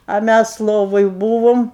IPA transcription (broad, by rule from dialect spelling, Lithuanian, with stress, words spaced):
ɐ ˈmʲæs ˈlˠoːʋoːj ˈbuːʋoːm